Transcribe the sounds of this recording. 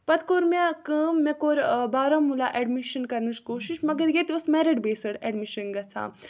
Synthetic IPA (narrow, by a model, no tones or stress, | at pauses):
pɐt̪koːɾmekəːmːẽkoːɾbaːɾamulaʔɛɖmiʃɐnkɐɾnut͡ʃkoːʃiʃmɐɡɐɾjet̪iusmɛːɾiɖbeːsɐɽɛɖmiʃɐnɡɐt͡sʰa̰ː